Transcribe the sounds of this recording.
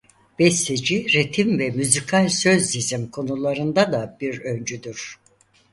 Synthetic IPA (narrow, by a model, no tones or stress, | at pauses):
b̥ɛst̪ed͡ʒiɾet̪ʰimvɛmyzikʰalʲsø̞zːizimkʰo̞nulˠaɾɯnd̪ad̪ab̥iɾønd͡ʒyd̪yɾ̥